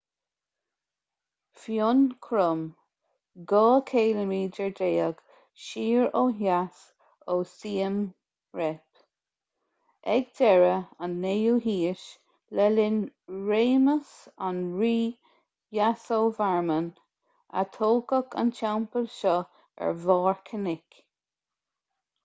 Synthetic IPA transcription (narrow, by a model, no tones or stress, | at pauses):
fjonkʰɾʊm | ɡɔːkʰeːləmiːd͡ʒɛɹdeːəɡ̥ | ʃiːɹoːɦas | oːsiːəm | ɹɛp | ɛɡdɛɹəənːejuːɦiːʃ | lɛlɪnɹeːməs | anɹiː | jasoːvaɹmən | a̰t̪ʰoːkəkʰə̰nt͡ʃawmpəlʃɔ | ɛ̰ɹvɑːɹkʰənɪk